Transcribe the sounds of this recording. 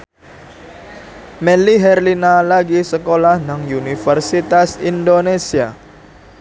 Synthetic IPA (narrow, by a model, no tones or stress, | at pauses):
meliɦɛrlinalaɡisəkolahnaŋjunifərsit̪asindonesia